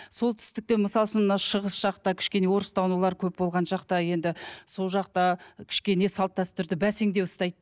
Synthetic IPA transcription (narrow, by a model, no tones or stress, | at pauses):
so̞lˠt̪ʰʏ̥st̪ɪk̚t̪e̞məsɑlˠʃənɑʃəʁəsʒ̥ɑqt̪ɑkʲʰɪ̥ʃkʲe̞ne̞wo̞ɾəst̪ʰɑwnulˠɑɾkʲʰɵpbo̞lˠʁɑnʒɑqt̪ɑje̞nd̪ɪso̞lˠʒɑqt̪ɑkʲʰɪ̥ʃkʲe̞ne̞sɑlˠt̪ːɑst̪ʰʏɾd̪ɪbæseŋd̪e̞wʊst̪ɑjd̪